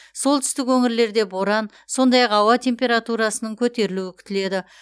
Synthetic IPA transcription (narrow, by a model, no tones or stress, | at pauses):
so̞lˠt̪ʰʏst̪ɪkwɵŋɪɾle̞ɾd̪e̞bo̞ɾɑn | so̞nd̪ɑjɑqɑwɑt̪ʰʲe̞mpʲe̞ɾat̪uɾɑsənəɴkʲʰɵt̪e̞ɾɪluɪkʲɪʏt̪ɪle̞d̪ɪ